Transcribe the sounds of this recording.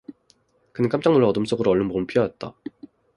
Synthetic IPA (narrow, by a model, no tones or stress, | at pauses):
kɯnɯnk͈amt͡ɕ͈aŋnuɭʌdɯms͈oɡɯɾoʌɭːɯnboɡɯɭpʰijʌat̚t͈a